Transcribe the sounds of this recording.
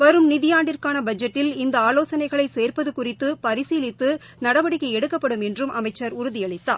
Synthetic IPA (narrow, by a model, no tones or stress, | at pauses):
ʋɐɾɯmnɪðɪjaːɳɖɪrkaːnɐbɐd͡ʒɐʈːɪlɪnd̪ɐaːloːsɐnɐɪɣɐɭɐɪseːɾpɐðɯkʊrɪt̪ːɯpɐɾɪsiːlɪt̪ːɯ | nɐɽɐʋɐɽɪkːɐɪɛɽɯkːɐpːɐɽɯmɛndrɯmʔɐ̰mɐɪt͡ʃːɐɾʊɾʊðɪjɐɭɪt̪ːa̰ːɾ